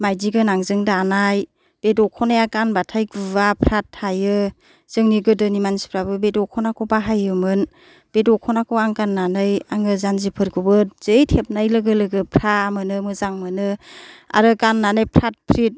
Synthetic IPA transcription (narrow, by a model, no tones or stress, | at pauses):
majdiɡɯnaŋzɯŋdanaj | b̥edɔkʰɔnajakanbatʰajɡubapʰɾatʰːajɯ | z̥ɯŋniɡɯdɯnimansi̥pʰɾabɯbedɔkʰɔnakʰɔbaɦajɯmɯn | b̥edɔkʰɔnakʰoaŋkanːanɯjaŋɯzanzipʰɯɾkʰubɯtz̥ɯjtʰep̚najlɯɡɯlɯɡɯpʰɾamɯnɯmɯzaŋmɯnɯa̰ɾɯkanːanɯjpʰɾat̚pʰɾit̚